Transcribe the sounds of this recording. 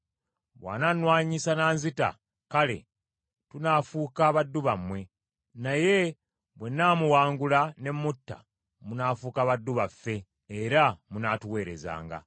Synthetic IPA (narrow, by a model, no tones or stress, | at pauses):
βwa̰ːnanwaːɲisanaːnzita̰ | kale̞̰ | tunaːfuːkaβadːuβamwe̞ | naje̞ | βwe̞nːaːmuwaːŋɡulane̞mːutːa̰ | munaːfuːkaβadːuβafːe̞ː | ɾamunaːtuwe̞ːɾe̞̰za̰ːŋɡa̰